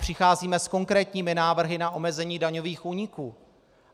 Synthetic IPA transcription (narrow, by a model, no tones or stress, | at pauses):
r̝̥ɪxaːziːmɛsko̞ŋkɾɛːt̪ɲiːmɪnaːvr̩ɦɪnaʔo̞mɛzɛɲiːdaɲo̞viːxʔuːɲɪkuː